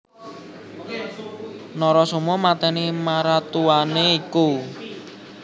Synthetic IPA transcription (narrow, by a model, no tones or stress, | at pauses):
nɔɾɔsumɔmat̪ɛnimaɾat̪uaneiku